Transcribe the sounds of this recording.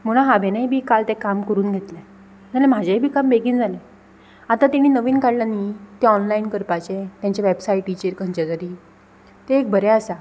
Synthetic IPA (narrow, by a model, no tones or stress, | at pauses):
m̤əɽ̃aɦabʱenajbʱiːkalt̪ẽkamkəɾuːnɡʱet̪lɛ̃ | d͡zalem̤ad͡ʑʱebʱiːkambeɡiːnd͡zalẽ | at̪at̪iɽ̃iːnəʋiːnkaɽlanːit̪eɔnlainkəɾpat͡ɕẽt̪jãɲt͡ɕaʋebsajʈit͡ɕeɾkə̃ɲt͡ɕet̪əɾi | t̪eːk̚bʱəɾɛasa